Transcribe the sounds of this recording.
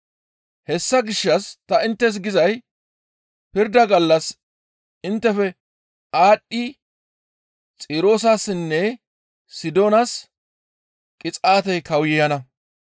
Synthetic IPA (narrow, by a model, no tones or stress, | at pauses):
hɛsːɐɡɪʃːɐst̪ɐɪnt̪ːɛs̬ɡɪzɐj | pɪɾd̪ɐɡɐlːɐs | ɪnt̪ːɛfɛ | aːɗːi | t͡sʼɪːɾo̞ːs̬aːsɪnːɛ | sɪd̪oːnɐs | kʼɪt͡sʼaːt̪ɛjkɐwjɛjɐnɐ